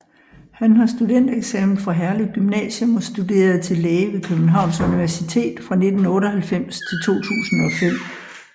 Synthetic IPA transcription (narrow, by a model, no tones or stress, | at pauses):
hænɦɑ̈sd̥ud̥en̰d̥eɡ̥sɛmn̩ˠfʁɑ̈ɦæɐliðˠɡ̥ymnɛ̰ːɕəmɒ̽sd̥ud̥e̝̰ːɐð̩ˠt͡sʰe̝leːʋe̝kʰøb̥n̩ɦɑ̈ʊ̰nsuniʋæɐsit͡sʰe̝̰ːd̥fʁɑ̈ne̝d̥n̩ɔ̽ːɾɒɦælfem̰st͡sʰe̝lt͡sʰo̝̰ːt͡sʰṵːsn̩ɒ̽fem̰